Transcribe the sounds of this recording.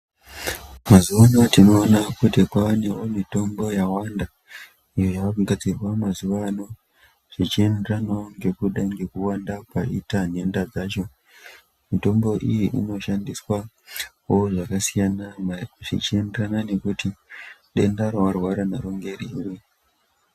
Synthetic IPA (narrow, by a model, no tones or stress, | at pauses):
mazuʋano̞tino̞ːnakutekwane̞wo̞mito̞mbo̞jawanda | ijo̞jaɡad͡zirwamazuʋano̞ | ʐ̥it͡ʃie̞nderanaoŋɡe̞kuɗaŋɡe̞kuwandapaitan̤e̞ndad͡zaːt͡ʃo̞ | mito̞mbo̞ʔijiʔḭno̞ʃandiswa | oʐakasijanaʐḭt͡ʃie̞nderanane̞kutiɗe̞ndaɾoʋarwaɾanaɾoŋɡe̞ɾirwe